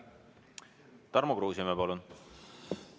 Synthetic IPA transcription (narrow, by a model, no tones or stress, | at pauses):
t̪ɑrmokruːsimepɑlun